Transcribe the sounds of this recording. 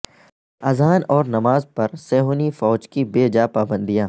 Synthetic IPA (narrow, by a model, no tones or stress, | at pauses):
ɐzaːnɔːɾnɐmaːzpɐɾsɛːɦoːnifɔːd͡ʒkibeːd͡ʒaːpaːbə̃nd̪ijãː